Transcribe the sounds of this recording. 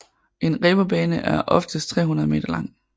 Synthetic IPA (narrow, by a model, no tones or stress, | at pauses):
ʔe̝nʁɛb̥ɐb̥ɛːnəʔæɐʔɒ̽fd̥əst͡sʰʁɛ̰ːɦunɐð̩ˠme̝ːd̥ɐlɑ̈ŋ̰